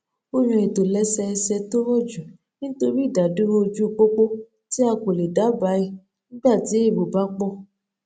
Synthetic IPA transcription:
o˦ɾ̃ũ˧e˨to˨lɛ˨˦sɛ˧ɛ˧sɛ˧to˦ɾɔ˦˨d͡ʒu˨ | nĩ˦to˧ɾi˦˨da˨˦du˦ɾo˦o˧d͡ʒu˦˧k͡po˦k͡po˦ | ti˦a˧ko˨le˨da˨˦ba˨˦i˦˨ | nĩ˦ɡ͡ba˦˨ti˨˦e˦˨bo˨ba˦k͡pɔ˦˨

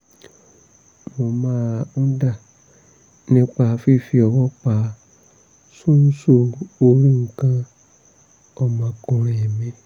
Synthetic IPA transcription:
mo˨mãː˦ũ˦da˦˨ | nĩ˧˦k͡pa˧fi˦˨fi˧ɔ˨wɔ˦k͡pa˨˦ | sũ˦n̩˦so˧o˧ɾũ˦ŋ̩˨kã˦ | ɔ˧˨mã˨kũ˧ɾ̃ɛ̃˨ɛ˨mĩ˧

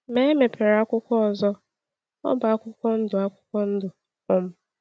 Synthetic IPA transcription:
me˦e˦me˨pʰe˨ɾa˦kʷʊ˦kʷɔ˦ɔ˨zɔ˦ | ɔ̰˦ba˨a˦kʷʊ˦kʷɔ˦n̩˦dʊ˨a˦kʷʊ̥˦kʷɔ˦n̩˦dʊ˨ | ɔ˦m̩˦

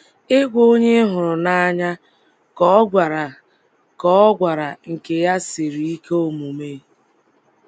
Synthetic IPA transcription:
ɪ˦ɡʷo˦ɲe˦ɦʊ˨ɾʊ˨na˦a˦ɲa˦ | kɔ˦ɔ˦ɡʷa˨ɾa˨ | kɔ˦ɔ˦ɡʷa˨ɾa˨ŋ̩˨ke˨ja˦si˨ɾi˨i˦keo˦˨mu˨me˦

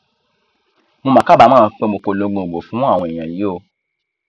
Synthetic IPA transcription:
mõ˧mã˨˦ka˦˨ba˧˦mãː˦˨˧k͡pe˦mo˧k͡po˧lõ˧˦ɡ͡bõ˧˨ɡ͡bo˨fũ˨˦a˦˨w̃ɔ̃˧i˨j̃ã˨ji˨˦o˧

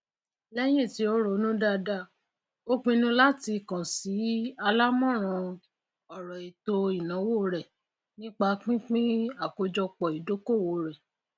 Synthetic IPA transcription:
lɛ˦j̃ẽ˦˨ti˧˦o˦ɾo˨˦nũ˦da˦da˦˨ | o˦k͡pĩ˧nũ˦˧la˦ti˧˨kã˨si˨˦a˧la˦mɔ̃˦˨ɾ̃ɔ̃˧ | ɔ˨ɾɔ˨i˨to˧i˨nã˨˦wo˦ɾɛ˨ | nĩ˦k͡pa˧k͡pĩ˦k͡pĩ˦a˦˨ko˧d͡ʒɔ˧k͡pɔ˨i˨do˨˦ko˦˨wo˨˧˦ɾɛ˨

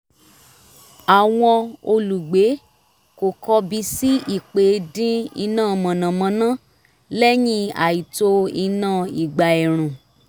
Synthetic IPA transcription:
a˨w̃ɔ̃˧o˧lu˨ɡ͡be˨˦ | ko˨kɔ˧bi˧si˦i˦˨k͡pe˨˦dĩ˦i˧nãː˦˨˧mɔ̃˨nã˨mã˧nã˦ | lɛ˦jĩ˦a̰˨i˨to˧i˧nã˦˨i˨ɡ͡ba˨ɛ˨ɾ̃ũ˨

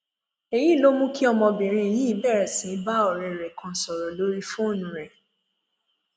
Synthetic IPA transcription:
e˨jĩ˦˨lo˦mũ˦ki˦ɔ˧mɔ̃˧bĩ˨ɾ̃ĩ˧˨jĩ˦bɛ˦˨ɾɛ˨sĩ˨˦ba˦ɔ˨ɾɛ˨ɾɛ˨kã˧˨sɔ˨ɾɔ˨lo˨˦ɾi˦fũ˦o˦˨nũ˨ɾɛ˨

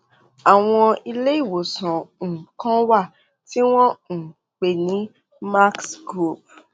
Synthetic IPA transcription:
a˨w̃ɔ̃˧i˧le˦i˦˨wo˨sã˨ŋ̩˨kã˦wa˦˨ | ti˦w̃ɔ̃˦ŋ̩˨ | k͡pe˨nĩ˨˦ | ma˦ksɡɾu˦˨p̚

